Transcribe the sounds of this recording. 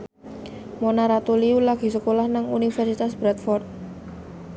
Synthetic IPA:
monaɾat̪uliulaɡ̥i̤səkolahnaŋunifɛrsit̪asb̥ɾɛt̪̚fɔrt̪̚

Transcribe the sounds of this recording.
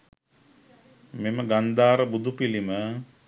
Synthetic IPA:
meməɡand̪aːɾəbud̪upilimə

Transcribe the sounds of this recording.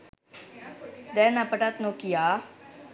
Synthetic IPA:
d̪ɛnapəʈat̪nokijaː

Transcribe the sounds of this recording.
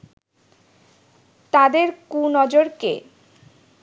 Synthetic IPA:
t̪ad̪eɾkunɔd͡ʑoɾkḛ

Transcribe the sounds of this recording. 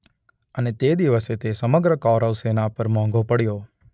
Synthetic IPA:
ənet̪ed̪iʋəset̪esəməɡɾəkɔɾəʋsenapəɾmɔ̃ŋɡopəɽjo

